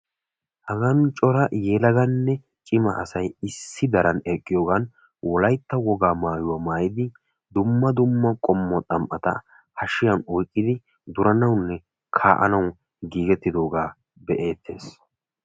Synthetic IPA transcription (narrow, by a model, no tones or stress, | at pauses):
hɐɡɐnt͡ʃʼɔɾɐjeːlɐɡɐnːɛ | t͡ʃʼɪmɐ̰ʔɐsɐjɪsːɪd̪ɐɾɐnɛkʼːɪjoːɡɐn | wɔlɐjt̪ːɐwɔɡaːmaːjʊwɐmaːjɪd̪ɪ | d̪ʊmːɐd̪ʊmːɐkʼɔmːɔt̪ʼɐmʔɐt̪ɐ̰ | hɐʃɪjɐnɔjkʼːɪd̪ɪ | d̪ʊɾɐnɐwnːɛ | kʰaːʔɐ̰nɐw | ɡiːɡɛt̪ːɪd̪o̞ːɡaː | bɛʔe̞ːt̪ːe̞ːs